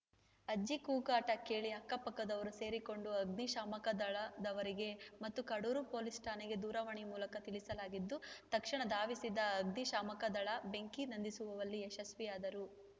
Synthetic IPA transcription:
ɐd͡ʒikuːkaːʈɐke̞ːɭiɦɐkːɐpɐkːɐd̪ɐʋɐɾuse̞ːɾiko̞ɳɖuɐɡniʃaːmɐkɐd̪ɐɭɐd̪ɐʋɐɾiɡe̞mɐt̪ːukɐɽuːɾupoːlisʈʰaːneɡe̞d̪uːɾɐʋɐɳimuːlɐkɐt̪iɭisɐlaːɡid̪ːut̪ɐkʂɐɳɐd̪aːʋisid̪ːɐːɡniʃaːmɐkɐd̪ɐɭɐbe̞ŋkinɐnd̪isuʋɐʋɐlːieʃɐsʋiaːd̪ɐɾu

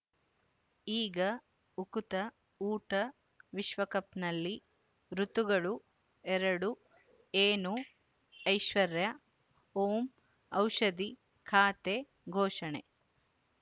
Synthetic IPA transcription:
iːɡɐ | ukut̪ɐ | uːʈɐ | ʋiʃʋɐkɐpnɐlːi | ɾut̪uɡɐɭu | ɛɾɐɽu | eːnu | ɐjʃʋɐɾjɐ | oːm | ɐwʃɐd̪i | kʰaːt̪e | ɡʱɔːʃɐɳḛ

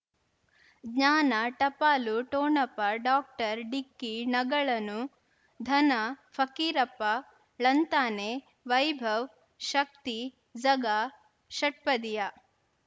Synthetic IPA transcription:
ɡɲaːnɐʈɐpaːluʈoːɳɐpɐɖaːk̚ʈɐɾɖikːinɐɡɐɭɐnu | d̪ʱɐnɐfʰɐkiːɾɐpːɐ | ɭɐnt̪aːne | ʋɐjbʱɐʋ | ʃɐk̚t̪i | d͡ʒɐɡa | ʃɐʈ̚pɐd̪ija

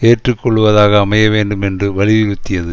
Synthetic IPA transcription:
eːʈrɯkːɔɭːɯʋɐðaːɣɐːmɐjɐʋeːɳɖɯmɛndrɯʋɐɭɪʋɪɻɯt̪ːɪjɐðɯ

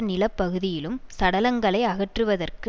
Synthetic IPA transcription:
nɪlɐpːɐɣɯðɪjɪlɯmsɐɽɐlɐŋɡɐɭɐɪɐɣɐʈrɯʋɐðɐrkɯ

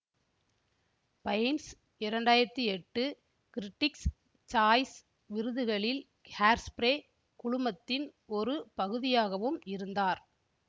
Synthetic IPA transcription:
pɐɪns | ɪɾɐɳɖaːjɪɾɐt̪ːiɛʈːɯ | kɪɾɪʈːɪks | t͡ʃaːjs | ʋɪɾɯðɯɣɐɭɪl | haːɾspɾeː | kʊɻʊmɐt̪ːɪnɔɾɯpɐɣɯðɪjaːɣɐʋɯmɪɾɯnd̪aːɾ

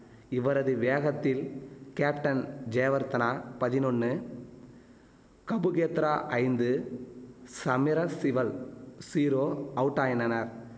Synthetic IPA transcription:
ɪʋɐɾɐðɯʋeːɣɐt̪ːɪlkeːpʈɐnd͡ʒeːʋɐɾt̪ɐnaːpɐðɪnɔɳːɯ | kɐbɯɣeːt̪ɾaːʔɐɪnd̪ɯ | sɐmɪɾɐsɪʋɐlsiːɾoːɐʋɯʈːaːjɐnɐnɐɾ

